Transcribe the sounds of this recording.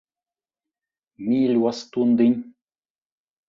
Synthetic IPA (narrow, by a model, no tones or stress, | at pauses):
milʲwast̪und̪ɨnʲ